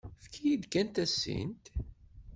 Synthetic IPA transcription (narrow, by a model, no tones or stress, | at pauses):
fkʰijid̪kænt̪æsːḭnt̪